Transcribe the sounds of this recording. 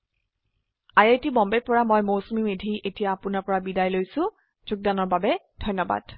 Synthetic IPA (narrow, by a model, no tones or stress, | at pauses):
ajajtibɔmbepɔɹamɔjmowsumimedʱiʔetijaːpʊnaɹpɔɹabidajlojsʊ̃ | z̥ʊɡ̚danɔɹbabɛdʱɔjnːɔba̰d̥